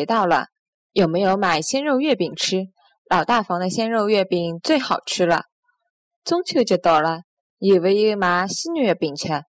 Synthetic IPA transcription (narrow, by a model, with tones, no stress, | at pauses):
t̪ɑ˥˩ʊlə̰˩ | jo˨˩ʊme˧˥ɪjo˧˥ʊma˨˩ɪɕjɛ˥nɻo˥˧ʊɥɛ˥˩pi˨˩ŋʈ͡ʂ̩ʰ˥ | lɑ˨˩ʊt̪a˥˩fɑ˧˥ŋd̪ə˧ɕjɛ˥nɻo˥˧ʊɥɛ˥˩pi˨˩ŋt͡swe˥˩ɪxɑ˨˩ʊʈ͡ʂʰɻ̩˥lə̰˨ | t͡sʊ˥ŋt͡ɕʰjo˥˧ʊt͡ɕjo˥˩ʊt̪o˨˩lə˦ | i˨˩we˧˥ɪi˧˥ɡə˧ma˧˥ɕi˥nny˥˩˧pi˨˩ŋt͡ɕʰɥɛ˧˥